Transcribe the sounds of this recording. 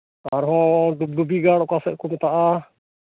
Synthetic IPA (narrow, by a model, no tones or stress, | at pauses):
aɾɦɔɖub̚ɖubiɡaɽɔkasɛʔkumɛt̪aʔa